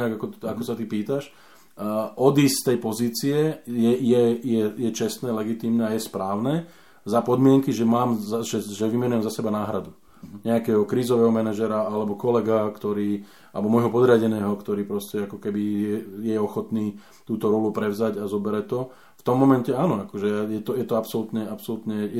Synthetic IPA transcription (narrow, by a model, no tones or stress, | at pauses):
aɡakɔakɔsat̪ipiːt̪aʃ | ʔɔd̪iːst̪ɛjpɔziːt͡siɛjɛjɛjɛjɛt͡ʃɛst̪nɛːlɛɡit̪iːmnɛajɛspɾaːʊnɛ | zapɔd̪mɪɛŋkiʒɛmaːmzaʒɛʒɛʋimɛnujɛmzasɛbanaːɦɾad̪u | ɲɛakɛːɦɔkɾiːzɔʋɛːɦɔmɛnaʒɛɾaalɛbɔkɔlɛɡakt̪ɔɾiː | alɛbɔmɔjɦɔpɔd̪ɾɪaɟɛnɛːɦɔkt̪ɔɾiːpɾɔscɛakɔkɛbijɛjɛɔxɔt̪niː | t̪uːt̪ɔɾɔlupɾɛʊzaɟazɔbɛɾɛt̪ɔ | ft̪ɔmːɔmɛncɛaːnɔakɔʒɛjɛt̪ɔjɛt̪ɔapsɔlut̪ɲɛapsɔlut̪ɲɛjɛ